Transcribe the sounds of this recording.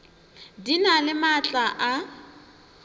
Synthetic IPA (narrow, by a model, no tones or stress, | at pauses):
dinalɪmat͡ɬʼaʔa